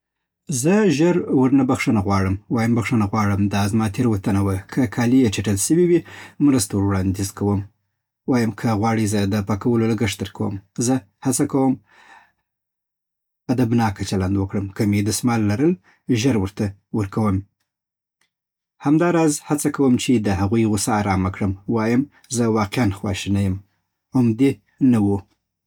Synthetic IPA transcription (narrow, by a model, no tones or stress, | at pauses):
zəʒəɾwəɾnabaxʂənaɣwɑɽəmwɑjəmbaxʂənaɣwɑɽəmd̪ɑzmɑt̪ʰeɾwat̪anawəkʰəkʰɑlijet͡ʃaʈəlsəwiwimɾəst̪awɾwɽɑnd̪izkawəm | wɑjəmkʰəɣwɑɽizəd̪əpɑkawəloləɡəʂd̪əɾkawə̰mzə | hat͡sakawəm | ad̪abnɑkat͡ʃaland̪wəkɽəmkəmed̪əsmɑlːaɾəl | ʒəɾwəɾt̪awəɾkawəm | hamd̪ɑɾɑzhat͡sakawəmt͡ʃed̪əɦaɣujɣʊsaːɾɑmakɽəmwɑjəm | zəwɑqeanxwɑ̰ʃinajəm | ʊmd̪e | nawu